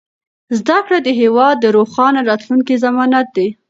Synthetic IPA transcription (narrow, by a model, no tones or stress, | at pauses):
zd̪akɽad̪əɦewɑd̪ːəɾoxɑnaɾɑt̪luŋkizamɑnat̪̚d̪e